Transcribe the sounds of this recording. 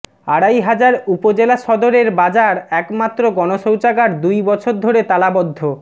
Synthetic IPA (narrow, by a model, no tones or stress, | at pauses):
aɽajɦad͡ʑaɾupod͡ʑelaʃɔd̪oɾeɾbad͡ʑaɾɛkmat̪ːɾoɡɔnoʃowt͡ɕaɡaɾd̪ujbɔt͡ɕʰoɾd̪ʱoɾet̪alabod̪ʱːo